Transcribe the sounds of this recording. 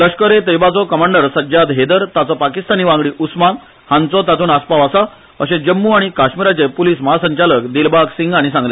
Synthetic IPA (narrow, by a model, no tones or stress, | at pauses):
d̪əɕkəɾet̪ejbat͡sɔkəmaɳɖəɾsəd͡ʑad̪ɦed̪əɾt̪at͡sɔpakist̪aniːʋãŋɡɽiːʔusman | hãnt͡sɔt̪at̪uːnaspaʋasa | əɕẽd͡ʑəmːuːaɽ̃ikaɕmiɾat͡sepuliːsmaɦasəɲt͡ɕaləkd̪ilbaksiŋɡaɽ̃isãŋɡle